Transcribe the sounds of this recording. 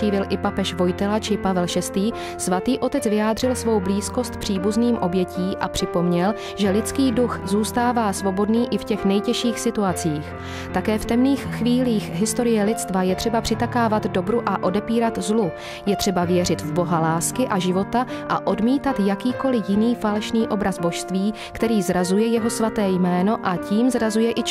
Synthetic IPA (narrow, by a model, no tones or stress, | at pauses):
iːvɪlʔɪpapɛʃvo̞jt̪ɛlat͡ʃɪpavɛlʃɛst̪iː | svat̪iːʔo̞t̪ɛt͡svɪjaːd̪r̝ɪlsvo̞wbliːsko̞st̪pr̝̥iːbuzniːmʔo̞bjɛciːʔa̰pr̥ɪpo̞mɲɛl | ʒɛlɪt͡skiːduxzuːst̪aːvaːsvo̞bo̞dniːʔɪfcɛxnɛjcɛʃiːxsɪt̪uat͡siːx | t̪akɛːft̪ɛmniːxxviːliːxɦɪst̪o̞ɾɪjɛlɪt̪t͡st̪vajɛt̪r̥ɛbapr̥ɪt̪akaːvad̪do̞bɾuʔaʔo̞dɛpiːɾat̪zlu | jɛt̪r̝̥ɛbavjɛrɪt̪vbo̞ɦalaːskɪʔaʒɪvo̞t̪aʔa̰ʔo̞dmiːt̪at̪jakiːko̞lɪjɪniːfalɛʃniːʔo̞bɾazbo̞ʃst̪viː | kt̪ɛɾiːzɾazujɛjɛɦo̞svat̪ɛːjmɛːno̞ʔaciːmzɾazujɛʔɪt͡ʃ